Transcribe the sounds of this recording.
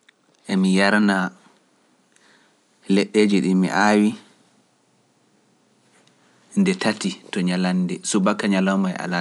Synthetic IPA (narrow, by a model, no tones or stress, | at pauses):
ʔɛmijaɾna | lɛɗːeːd͡ʒiɗimḭʔaːwi | ndɛtʰatitɔɲalanːdɛsubakːaɲalɔmaɛ̰ʔa̰la